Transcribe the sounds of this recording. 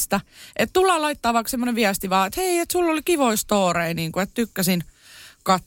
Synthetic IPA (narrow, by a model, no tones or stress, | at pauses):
st̪æʔet̪t̪ulːɑːlɑit̪ːɑːʋɑːˑksemːoneʋʋiæst̪iʋɑːet̪heiet̪sulːolikiʋoist̪oːɾeiniːŋkuet̪t̪ykːæsin | kɑt̪